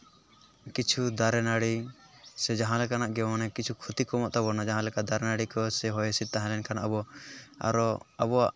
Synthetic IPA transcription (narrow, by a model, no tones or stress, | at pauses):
kit͡ʃʰud̪aɾɛnaɽi | sɛd͡ʒaɦãlɛkanaʔɡɛmanɛkit͡ʃʰukʰut̪ikɔmɔʔt̪abɔnad͡ʒaɦãlɛkaʔd̪aɾɛnaɽikɔsɛɦɔjɛsit̪̚t̪ãɦɛ̃lɛnkʰana̰bɔa̰ɾɔaβɔaʔ